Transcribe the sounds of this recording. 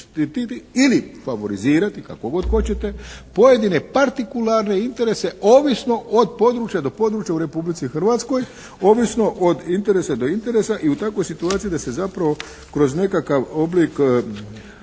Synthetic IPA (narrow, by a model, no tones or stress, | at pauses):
t̪it̪it̪iilifaʋo̞ɾiziːɾat̪ika̰ko̞ɡo̞d̪xo̞t͡ɕe̞t̪e̞po̞je̞d̪ine̞paɾt̪ikulaɾne̞int̪e̞ɾese̞oːʋisno̞ʔod̪̚po̞d̪ɾut͡ɕjad̪o̞po̞d̪ɾuːt͡ʃjauɾe̞publit̪sixr̩ʋat̪sko̞j | o̞ːʋisno̞ʔod̪int̪e̞ɾesad̪o̞int̪e̞ɾesaʔiut̪akʋo̞jsit̪uaːt̪siid̪asezapɾaʋo̞ | kɾo̞zne̞kakaʋo̞blik